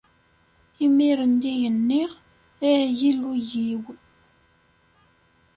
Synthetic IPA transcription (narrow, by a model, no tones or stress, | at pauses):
imiɾənd̪ijənːiʁ | æjilːujiw